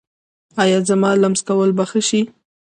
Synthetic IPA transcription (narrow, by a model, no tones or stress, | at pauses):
ɑjɑzamɑlamskawəlbaxəʃi